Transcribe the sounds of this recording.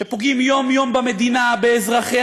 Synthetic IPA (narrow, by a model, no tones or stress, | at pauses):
epoɡimjo̞mjo̞mbame̞d̪inabeːzʁaχe